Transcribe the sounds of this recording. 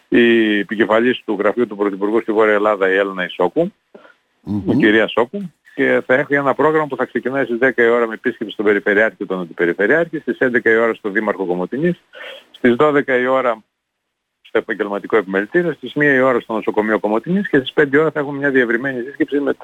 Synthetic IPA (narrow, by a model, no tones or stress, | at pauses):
iepice̞fɐʎist̪uɣɾɐfiut̪upɾoθipuɾɣust̪ivo̞ɾiɐelɐðɐielenɐiso̞ku | iciɾiɐso̞ku | ce̞θɐe̞xuenɐpɾo̞ɣɾɐmɐpuθɐkse̞cinɐist̪izðekɐio̞ɾɐmeːpiscepsi̥st̪obe̞ɾife̞ɾiɐɾciot̪onɐnd̪ipe̞ɾife̞ɾiɐɾçist̪isend̪e̞kɐio̞ɾɐst̪o̞ðimɐɾxo̞ko̞mo̞t̪inisst̪izðo̞ðe̞kɐio̞ɾɐ | st̪o̞e̞pɐɲɟe̞lmɐt̪iko̞epimelit̪iɾiost̪izmiɐio̞ɾɐst̪o̞no̞so̞ko̞mio̞ko̞mo̞t̪inisce̞st̪ispnd̪eio̞ɾɐθɐexunmɲɐðie̞vɾime̞nisisce̞psime